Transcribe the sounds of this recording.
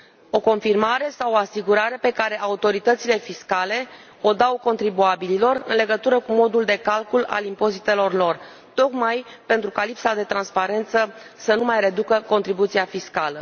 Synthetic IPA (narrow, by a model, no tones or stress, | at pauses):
o̞ko̞nfirmaɾe̞sawoasiɡuɾaɾe̞pe̞kaɾe̞ʔaut̪o̞ɾit̪ət̪sile̞fiskale̞ | o̞d̪awko̞nt̪ɾibuabililo̞rɨ̰nle̞ɡət̪uɾəkumo̞d̪uld̪e̞kalkula̰limpo̞zit̪e̞lo̞rlo̞r | t̪o̞kmaj | pe̞nt̪ɾukalipsad̪e̞t̪ɾanspaɾe̞nt̪səsənumajre̞d̪ukəko̞nt̪ɾibut̪siafiskalə